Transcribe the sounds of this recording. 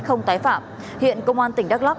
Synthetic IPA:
xə˧wŋ͡mt̪aː˨˦jfaː˧˩m | hḭ˧˨ənkə˧wŋ͡mʔaː˧nt̪ï˧˩ŋ̟ɗa˦˥k̚la˦˥p̚

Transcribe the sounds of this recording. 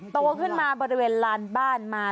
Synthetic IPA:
t̪u˧ɐkʰɯ˥˩nmaː˧bɔː˧ɾi˦˥weː˧nlaː˧nbaː˥˩nmaː˧

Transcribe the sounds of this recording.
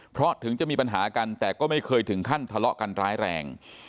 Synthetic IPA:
pʰɾɔ˦˥t̪ʰɯ˩˦ŋt͡ɕa˨˩miː˧pa˧nɦaː˩˦ka˧nt̪ɛː˨˩kɔː˥˩ma˥˩jkʰɤː˧jt̪ʰɯ˩˦ŋkʰa˥˩nt̪ʰa˧lɔ˦˥ʔka˧nɾaː˦˥jɾɛ̰ː˧ŋ

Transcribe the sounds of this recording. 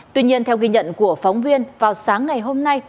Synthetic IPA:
t̪wi˧ɲi˧ənt̪ʰɛ˧wki˧ɲə̰˧˨nku˧˩əfɔ˨˦wŋ͡mvi˧ənvaː˨˩wsaː˨˦ŋːa˨˩jɦo˧mna˧j

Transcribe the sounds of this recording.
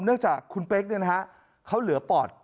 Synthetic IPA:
mnɯ˥˩əŋt͡ɕaː˨˩kʰːu˧npeː˦˥k̚nɯ˧na˦˥ha˦˥ʔ | kʰa˦˥wlɯ˨˩˦əpɔː˨˩t̚

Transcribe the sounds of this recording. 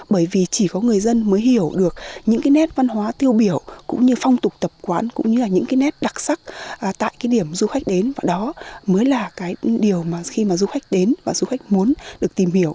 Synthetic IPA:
ɓəː˧˩jvi˨˩t͡ɕi˧˩kɔ˨˦ŋɨ˨˩əjzə˧nməː˨˦jhi˧˩əwɗɨ˨˩ək̚ɲɨ̰˧˥ŋkaː˨˦jnɛ˦˥t̚va˧nɦwaː˨˦t̪i˧əwɓi˧˩əwkʊ̰˧˥ŋ͡mɲɨ˧fa˧wŋ͡mt̪ʊ˨˩k͡p̚t̪ə˨˩p̚kwaː˨˦nkʊ̰˧˥ŋ͡mɲɨ˧laː˨˩ɲɨ̰˧˥ŋkaː˨˦jnɛ˦˥t̚ɗa˨˩k̚sa˦˥k̚ːt̪a̰ː˧˨jkaː˨˦jɗi˧˩əmzu˧xa˦˥jk̟̚ɗe˨˦nvaː˨˩ɗɔ˨˦məː˨˦jlaː˨˩kaː˨˦jɗi˨˩əwmaː˨˩xi˧maː˨˩zu˧xa˦˥jk̟̚ɗe˨˦nvaː˨˩zu˧xa˦˥jk̟̚mu˨˦ənɗɨ˨˩ək̚t̪i˨˩mhi˧˩əw

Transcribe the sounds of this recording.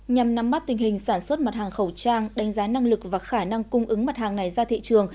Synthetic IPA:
ɲa˨˩mna˨˧˦mːa˦˥t̚t̪ï˨˩ŋ̟hï˨˩ŋ̟saː˧˩nswə˦˥t̚ma˨˩t̚haː˨˩ŋxə˧˩wt͡ɕaː˧ŋɗa˨˦ŋ̟zaː˨˦na˧ŋlɨ˨˩k̚vaː˨˩xaː˧˩na˧ŋkʊ˧ŋ͡mʔɨ˨˦ŋma˨˩t̚haː˨˩ŋna˨˩jzaː˧t̪ʰḭ˧˨t͡ɕɨ˨˩əŋ

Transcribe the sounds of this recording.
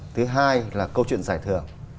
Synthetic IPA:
t̪ʰɨ˨˦ɦaː˧jlaː˨˩kə˧wt͡ɕwḭ˧˨ənzaː˧˩jt̪ʰɨ˧˩əŋ

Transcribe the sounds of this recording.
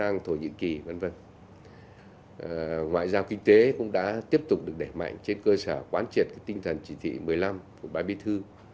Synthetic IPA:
aː˧ŋt̪ʰo˧˩ɲɨ̰˧˨ki˨˩və˧˥nvə̰˧˩n | ŋwa̰ː˧˨jzaː˧wkï˧ŋ̟t̪e˨˦kʊ̰˧˥ŋ͡mɗa̰ː˧˥t̪i˦˥əp̚t̪ʊ˨˩k͡p̚ɗɨ˨˩ək̚ɗe˧˩ma̰˧˨jŋt͡ɕe˧nkəː˧səː˧˩kwaː˨˦nt͡ɕi˨˩ət̚kaː˨˦jt̪ï˧ŋ̟t̪ʰə˨˩nt͡ɕi˧˩t̪ʰḭ˧˨mɨ˨˩əjla˧mku˧˩əɓaː˧ɓi˨˦t̪ʰɨ˧

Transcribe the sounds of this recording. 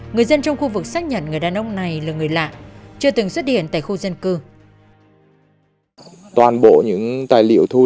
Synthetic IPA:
ŋɨ˨˩əjzə˧nt͡ɕɔ˧wŋ͡mxu˧vɨ˨˩k̚saː˦˥k̚ɲə̰˧˨nŋɨ˨˩əjɗaː˨˩nʔə˧wŋ͡mna˨˩jlaː˨˩ŋɨ˨˩əjla̰ː˧˨ʔt͡ɕɨ˧ət̪ɨ˨˩ŋswə˦˥t̚hḭ˧˨ənt̪a̰ː˧˨jxu˧zə˧nkɨ˧ | t̪waː˨˩nɓo̰˧˨ɲɨ̰˧˥ŋt̪aː˨˩jlḭ˧˨əwt̪ʰu˧

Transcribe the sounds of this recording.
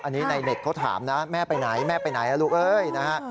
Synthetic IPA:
ʔa˧nːiː˦˥na˧jne˨˩k̚kʰa˦˥˩t̪ʰa̰ː˩˦mna˦˥mɛː˥˩pa˧jna˩˦jmɛː˥˩pa˧jna˩˦jʔa˧luː˨˩k̚ʔɤː˧jna˦˥kʰa˦˥ʔ

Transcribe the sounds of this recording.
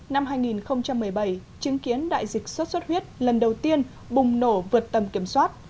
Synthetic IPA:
na˧mɦaː˧jŋi˨˩nxə˧wŋ͡mt͡ɕa˧mːɨ˨˩əjɓə˧˩jt͡ɕi˨˦ŋki˨˦ənɗa̰ː˧˨jzï˨˩k̟̚swə˦˥t̚sə˦˥t̚hwi˦˥ət̚lə˨˩nɗə˨˩wt̪i˧ən | ɓʊ˨˩ŋ͡mno˧˩vɨ˨˩ət̚t̪ə˨˩mki˧˩əmswaː˦˥t̚

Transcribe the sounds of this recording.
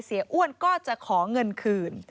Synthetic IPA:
si˩˦ɐʔu˥˩ənkɔː˥˩t͡ɕa˨˩kʰɔː˩˦ŋɤ˧nkʰɯː˧n

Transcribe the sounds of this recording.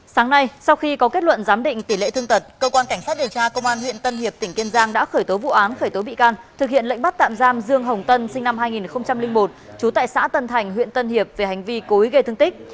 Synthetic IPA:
saː˨˦ŋna˧jsa˧wxi˧kɔ˨˦ke˦˥t̚lwə̰˧˨nzaː˨˦mɗḭ̈˧˨ŋ̟t̪i˧˩lḛ˧˨t̪ʰɨ˧əŋt̪ə˨˩t̚kəː˧kwaː˧nka˧˩ŋsaː˦˥t̚ɗi˨˩ə˩wt͡ɕaː˧kə˧wŋ͡mʔaː˧nhw̰ənt̪ə˧nhi˨˩əp̪̚ï˧˩ŋ̟ki˧ənzaː˧ŋɗa̰ː˧˥xəː˧˩jt̪o˨˦vṵ˧˨ʔaː˨˦nxəː˧˩jt̪o˨˦ɓḭ˧˨kaː˧nt̪ʰɨ˨˩k̚hḭ˧˨ənlə̰˧˨ŋɓa˦˥t̚t̪a̰ː˧˨mzaː˧mzɨ˧əŋɦə˨˩wŋ͡mt̪ə˧nsï˧ŋ̟na˧mɦaː˧jŋi˨˩nxə˧wŋ͡mt͡ɕa˧mlï˧ŋ̟mo˨˩t̚ | t͡ɕu˨˦t̪a̰ː˧˨jsa̰ː˧˥t̪ə˧nt̪ʰa˨˩jŋ̟ɦwḭ˧˨ənt̪ə˧nhi˨˩əp̚ve˨˩ha˨˩jŋ̟vi˧ko˨˦i˨˦ɣə˧jt̪ʰɨ˧əŋt̪i˦˥k̚

